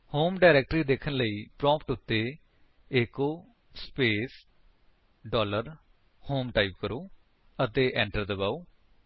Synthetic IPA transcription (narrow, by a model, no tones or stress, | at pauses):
hoːmɖaːɾɛːk̚ʈɾiːd̪eːkʰənləiːpɾɔ̃ːmpʰʈʊt̪ːeː | eːkoː | speːs | ɖɔːləɾ | hoːmʈaːiːbkəɾoː | ət̪eːʔɛ̃ːɳʈəɾd̪əbaːoː